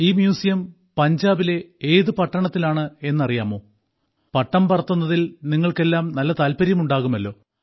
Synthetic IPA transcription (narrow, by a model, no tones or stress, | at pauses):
iːmjuːsijɐm | pɐɲd͡ʑaːbile̞eːðɨpɐʈːɐɳɐt̪ːilaːɳɨe̞nːɐrijaːmoː | pɐʈːɐmpɐrɐt̪ːunːɐðilniŋːɐɭke̞lːaːmnɐlːɐt̪aːlpɐɾjɐmuɳɖaːɣumɐlːo̞ː